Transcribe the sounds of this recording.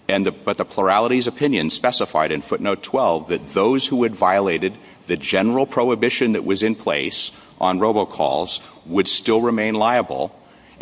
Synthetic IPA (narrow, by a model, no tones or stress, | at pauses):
ɨ̃nðɨb̥ʌt̪̚ðəpʰl̥ə˞ælˠəɾizɨpʰɪ̃njɨ̃n̥spɛsəfa̰ɪɾɨ̃nfʊtⁿnoʊtʰw̥ɛlˠvðɨt̪̚ðoʊz̥huɨdvaɪəleɪɾɨd̪̚ | ðɨd͡ʒɛnə˞l̩ˠpʰɹ̥oʊɨbɪʃɨ̃nðɨʔwʔʌzɨ̃npʰl̥ḛɪs | ʔn̩ɹoʊboʊkʰɔ̰lˠz̥wəd̥stɪlˠɹɨmẽɪ̃nlaɪəbl̩ˠ